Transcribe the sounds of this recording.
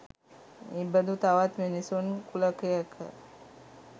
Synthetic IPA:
ebəd̪ʱut̪aʋat̪menisunkuləkəjəkʰə̰

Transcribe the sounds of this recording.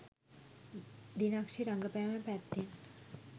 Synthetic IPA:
d̪inakʃiɾɐŋɡəpɛjamɛ̃pɛt̪ːin

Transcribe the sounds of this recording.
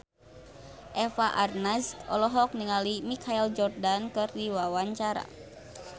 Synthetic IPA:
ʔɛfaʔarnasɔlɔɦɔk̚niŋalimikʰaild͡ʒɔrdankɨrdiwawaɲt͡ʃaɾa̰

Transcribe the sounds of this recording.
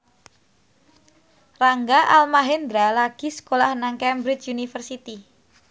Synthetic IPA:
raŋɡaʔalmaɦɪnd̪ɾalaɡ̥i̤sə̥kolahnaŋkɛmbɾɪt͡ʃunifərsit̪i

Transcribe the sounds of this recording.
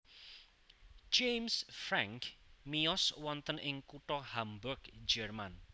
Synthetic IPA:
d͡ʒejmsfɾaŋkmijɔswɔnt̪ənʔɪŋkuʈɔhambʊrɡd͡ʒɛrman

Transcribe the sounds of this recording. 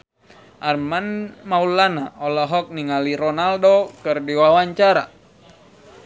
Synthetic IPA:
ʔarmanmaulanaɔlɔɦɔk̚niŋaliɾɔnaldokɨrdiwawaɲt͡ʃaɾa̰

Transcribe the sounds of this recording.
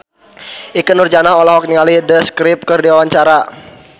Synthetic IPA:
ʔikənurd͡ʒanaɦɔlaɦɔk̚niŋalidəskɾɪp̚kərdiwawaɲt͡ʃaɾa

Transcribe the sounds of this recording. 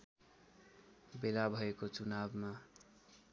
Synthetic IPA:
belabʱʌekot͡sunabma

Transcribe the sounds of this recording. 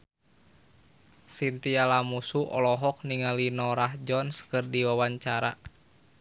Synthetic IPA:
sint̪ialamusuʔɔ̰lɔɦɔk̚niŋalinɔɾahd͡ʒɔnskɨrdiwawaɲt͡ʃaɾa

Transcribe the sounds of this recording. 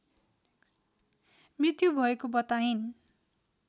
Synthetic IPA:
mrit̪jubʱʌekobʌt̪ain

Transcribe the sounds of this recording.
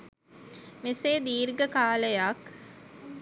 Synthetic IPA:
miseːd̪iːɾɡəkaːləjak

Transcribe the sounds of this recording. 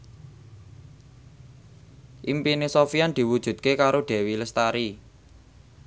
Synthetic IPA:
ʔimpinesofiand̪̥i̤wud̥ʒ̥ṳd̪̥̚kekaɾoɖ̪̥e̤wiləst̪aɾi

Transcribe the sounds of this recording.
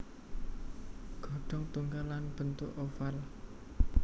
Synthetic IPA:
ɡ̥ɔ̤ɖ̥ɔ̤ŋt̪uŋɡalːanb̥ə̤nt̪ʊʔofal

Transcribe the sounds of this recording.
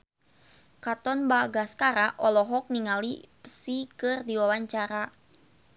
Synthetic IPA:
kat̪ɔnbaɡaskaɾaʔɔlɔɦɔk̚niŋalipəsikɨrdiwawaɲt͡ʃaɾa

